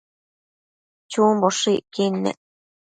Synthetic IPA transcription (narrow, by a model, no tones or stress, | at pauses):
t͡ʃumboʂiʔkinːḛʔ